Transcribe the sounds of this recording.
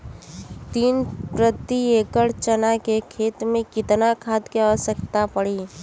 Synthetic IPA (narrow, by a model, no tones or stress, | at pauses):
t̪iːnpɾət̪ieːkəɽt͡ʃənakekʰeːt̪mẽkɪt̪nakʰaːt̪keɔsəkt̪apəɽiː